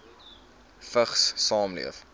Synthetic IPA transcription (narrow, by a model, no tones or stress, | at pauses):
fəχssɑːmlḭəf